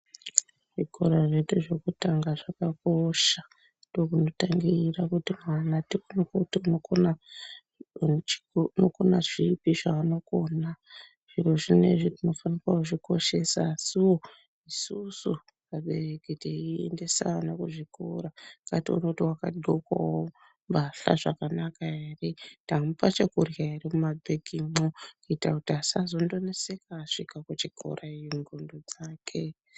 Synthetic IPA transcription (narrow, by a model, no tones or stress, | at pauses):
ʐiko̞ɾaʐetuʐekutaŋɡaʐakakoʃa | dokuno̞taŋɡirakutimwanatikunokotiunokona | nokonaʐipiʐaano̞kona | ʐ̥iroʐine̞̰ʐitino̞fanikwakuʐiko̞ʃe̞saːsiwo̞ | isusu | kaɓe̞re̞kiteiḛnde̞sanakuʐikʰo̰ɾaŋɡatiṵnokutiwakaɗʱokwa̰wo | mbaɬa̰ʐakanakaɦeretamupat͡ʃekurjaɦeremumabʱeɡimokuitakutiasazo̞ndo̞nese̞kaːʂikakut͡ʃikʰo̞̰rʔaiiŋɡondod͡zaːkʰe̞